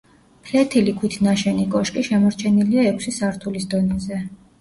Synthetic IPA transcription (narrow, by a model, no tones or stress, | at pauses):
pʰlɛt̪ʰilikʰwit̪ʰnaʃɛnikʼɔʃkʼiʃɛmɔɾt͡ʃʰɛniliaɛkʷʰsisaɾt̪ʰulisd̪ɔnɛzɛ